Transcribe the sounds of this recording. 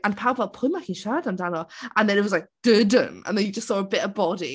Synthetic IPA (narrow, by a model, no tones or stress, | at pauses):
ãnpʰawbvɛlˠpʰʊmaxiːnʃaːdandanɔə̃nðɛ̃nɪt̚wɔzlajk̚d̥ədə̰mə̰nðɛ̃njəd͡ʒəstsɔːəbɪʔəbɔdḭ